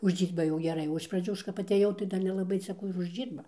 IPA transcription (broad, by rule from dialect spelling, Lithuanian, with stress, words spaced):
ʊʒʲˈd͡ʒʲiːrbɐ jɛʊ ɡʲɛˈrɐɪ oː ɪʃ prɐˈd͡ʒʲuː ˈɐʃ kɐp ɐtʲˈeːjɛʊ tɐɪ ˈdɐr nʲɛlˠɐˈbɐɪ t͡sʲɛ ˈkuː ɪr ʊʒʲdʲˈʒʲiːrbɐ